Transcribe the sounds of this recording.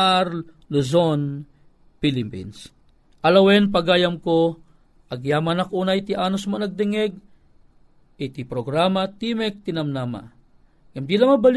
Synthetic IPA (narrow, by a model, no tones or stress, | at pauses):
aɾ | luzon | pilɪmpḭns | ʔɐlɐwɛnpɐɡaːjɐmko | ʔɐɡjaːmanɐkʔunajt̪ɪʔaːnosmanɐɡ̚d̪ɪŋɛɡ̚ | ʔit̪ipɾoɡɾamat̪imɛk̚t̪ɪnɐmnaːma̰ | ŋamd̪ilaŋmɐbal